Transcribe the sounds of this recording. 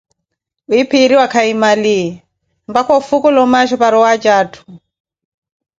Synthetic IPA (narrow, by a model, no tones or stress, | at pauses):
uipʰiɾiwakʰaimaliɛ | mbakɔfukɔlɔmaʃɔpaɾɔwad͡ʒaːtʰu̥